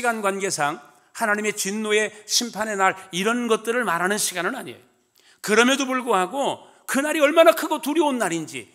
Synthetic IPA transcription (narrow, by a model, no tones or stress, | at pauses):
iɡanɡwanɡe̞sʰaŋ | hanaɲime̞t͡ɕɥinːoe̞ɕʰimpʰane̞naɾiɾʌnɡʌt̚t͈ɯɾɯɭmaɾɦanɯnɕʰiɡanɯna̰ɲiḛjo | kɯɾʌmedopuɭɡoɦaɡo | kɯnaɾiʌɭmanakʰɯɡotuɾjʌonːaɾind͡ʑḭ